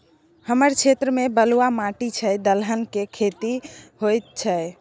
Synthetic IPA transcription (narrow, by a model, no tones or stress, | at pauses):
həməɾt͡ʃʰet̪ɾəmebəluamaʈit͡ʃʰəjd̪əlɦənkekʰet̪iɦojt̪̚t͡ʃʰəj